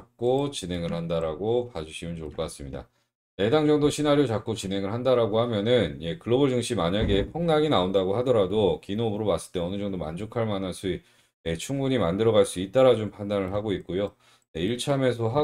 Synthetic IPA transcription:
k̚k͈ot͡ɕinɦe̞ŋɯɭɦhandaɾaɡopad͡ʑuɕʰimɯnt͡ɕoɭkʰʌk͈as͈ɯmɲida̰ | e̞daŋd͡ʑʌŋdoɕʰinaɾjot͡ɕak͈ot͡ɕine̞ŋɯɭɦandaɾaɡohamjʌnɯnje̞kɯɭːʌbɯɭd͡ʑɯŋɕ͈ʰimaɲaɡe̞pʰʌŋnaɡinaondaɡoɦadʌɾadokinobɯɾomas͈ɯ̥ɭt͈e̞ʌnɯd͡ʑʌŋdoma̰nd͡ʑokʰaɭmanaɭs͈ui | e̞t͡ɕʰuŋbuɲimandɯɾʌɣaɭs͈uit̚t͈aɾad͡ʑompʰandanɯɭɦaɡoik̚k͈ojo | neiɭt͡ɕʰame̞s̬ʰʌɦa

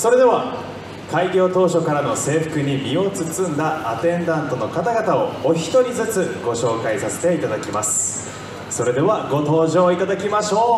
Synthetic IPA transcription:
so̞ɾe̞d̪e̞βa | kaiɡʲo̞ːt̪o̞ːɕo̞kaɾano̞se̞ːɸɯ̟̥kɯ̟ɲ̟imʲio̞t͡sɨt͡sɨ̃nd̪aːt̪ẽ̞nd̪ãnt̪o̞no̞kat̪aɡat̪ao̞oçi̥t̪o̞ɾʲizɨt͡sɨɡ̥o̞ɕo̞ːkaisase̞̥t̪e̞it̪ad̪akʲimasɨ̥ | so̞ɾe̞d̪e̞βaɡo̞t̪o̞ːʑo̞ːit̪ad̪akʲimaɕo̞ː

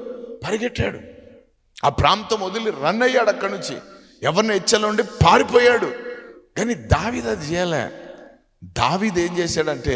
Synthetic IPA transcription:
pɐɾiɡeʈːa̰ːɽṵ | aːpɾaːnt̪ɐmod̪uliɾɐnːɐjːaːɽɐkːɐɽnuɲt͡ʃḭ | ɛʋɐɾniet͡ʃːɐlːuɳɖipaːɾipɔːjaːɽuɡaːnid̪aːʋiːd̪ad̪t͡ʃɛːjaːlḛː | d̪aːʋiːd̪eːɲd͡ʒɛːsaːɽɐɳʈe̞ː

